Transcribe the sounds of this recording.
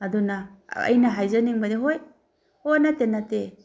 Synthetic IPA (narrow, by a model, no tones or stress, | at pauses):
ɐdunɐɐ̰jnɐɦajzɐniŋbɐdiɦoj | honɐtenɐte